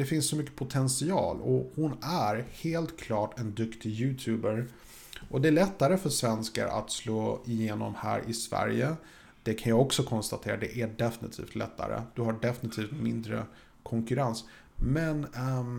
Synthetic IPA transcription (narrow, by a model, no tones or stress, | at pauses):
d̪̥ɛfɪnssɔmʏkːə̥pʰʊt̪ʰɛnsɪɑ̰ːlɔhʊnæɾheːlt̪kʰlɑːʈɛnd̪ɵkt̪ɪjʉ̟ːt̪ʰʉːbəɾ | ʔɔd̪ɛæɭɛt̪ːaɾəfœʂvɛnska̰ɾʔa̰t̪sloːɪjeːnɔ̰mhæ̰ːɾʔɪsvæ̰ɾjə | d̪̥ɛkʰanjaːɡɔksɔkʰɔnst̪at̪ʰeːɾad̪ɛʔæɖɛfɪnɪt̪ʰḭːft̪ʰlɛt̪ːa̰ɾə̰d̪̥ɵɦaɖɛfɪnɪt̪ʰiːft̪mɪnd̪ɾə̰ | kʰɔŋkɵɾans | mɛn